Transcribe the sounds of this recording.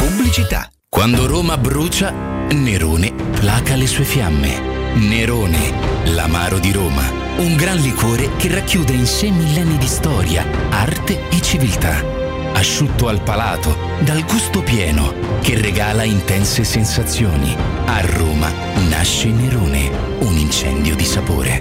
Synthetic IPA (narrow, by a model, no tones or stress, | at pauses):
publit͡ʃit̪a̰ | kwand̪oɾoːmabɾuːt͡ʃa | neɾoːne | plaːkalesuːefjamːḛ | neɾoːnḛla̰maːɾod̪iɾoːma̰ | uŋɡɾanlikoːɾekerːakːjuːd̪einsejmilːɛnːid̪ist̪ɔːɾja̰art̪eet͡ʃːivilt̪a̰ | aʃːut̪ːoalpalaːt̪o | d̪alɡust̪opjɛːno̰ | kerːeɡaːlaint̪ɛnsesensat̪sːjoːnḭ | arːoːma̰ | na̰ʃːenːeɾoːnḛ | unint͡ʃɛ̰nd̪jod̪isapo̰ːɾḛ